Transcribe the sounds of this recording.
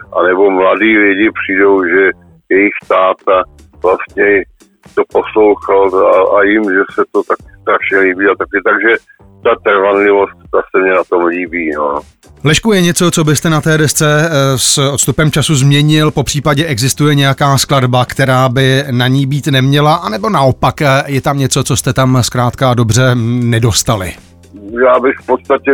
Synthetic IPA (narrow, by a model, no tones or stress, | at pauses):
ʔanɛbomladiːlɪɟɪpr̝̥iːdo̞wʒɛ | jɛjɪxt̪aːt̪a | vlast̪ɲɛ | t̪oposlowxalaajɪmʒɛsɛt̪ot̪akɪst̪ɾaʃɲɛliːbiːat̪akɪt̪aɡʒɛ | t̪at̪ɾvanlɪvost̪t̪asɛmɲɛnat̪o̞mliːbiːno | lɛʃkujɛɲɛt͡so̞t͡so̞bɪst̪ɛnat̪ɛːdɛst͡sɛsot̪st̪upɛmt͡ʃasuzmɲɛɲɪlpo̞pr̝̥iːpaɟɛʔɛɡzɪst̪ujɛɲɛjakaːskladbakt̪ɛɾaːbɪnaɲiːbiːt̪nɛmɲɛlaʔanɛbo̞naʔo̞pakjɛt̪amɲɛt͡so̞t͡so̞st̪ɛt̪amskɾaːt̪kado̞brɛnɛdo̞st̪alɪ̰ | jaːbɪxfpot̪st̪acɛ